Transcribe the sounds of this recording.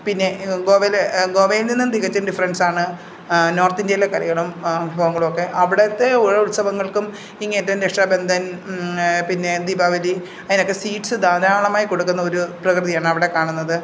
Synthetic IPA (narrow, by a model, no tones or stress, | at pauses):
pinːe̞ɡoːʋeleɡo̞ːʋejilninːumt̪iɣɐt͡ɕːɐnɖifɐrɐnsaːɳɨ | no̞ːrt̪indjelːɐkɐɾɐɣɐɭumbʱibʱɐːʋɐŋːɐɭumokːe̞ʔɐʋiɽet̪ːeuɻɐuɭsɐʋɐŋːɐɭkum | iŋːeːtːanɾekʂʈabe̞nd̪ʱɐn | pinːe̞d̪ibʱaːʋɐli | ɐðino̞kːe̞siːʈːsɨd̪ʱaːɾaːɳɐmaːjiko̞ɽukːunːɐoɾuprɐkrɨðijaːɳɨɐʋiɽe̞kaːɳunːɐðɨ